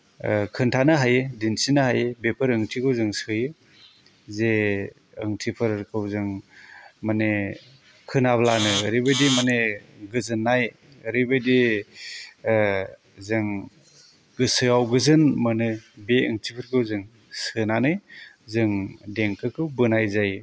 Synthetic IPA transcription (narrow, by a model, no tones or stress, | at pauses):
kʰɯntʰanɯɦajedinsinɯɦajebepʰɯɾɯŋtʰikʰɯwzɯŋsɯjɯ | ze | ɯŋtʰipʰɯɾkʰɯwzɯŋ | mane | kʰɯnablanɯɾibɯjdimaneɡɯzɯnːaj | ɾibɯjdi | zɯŋ | ɡɯsɯjawɡɯzɯnmanɯbeɯŋtʰipʰɯɾkʰɯwzɯŋ | sɯnanɯj | zɯŋdeŋkʰɯkʰɯwbɯnajzaj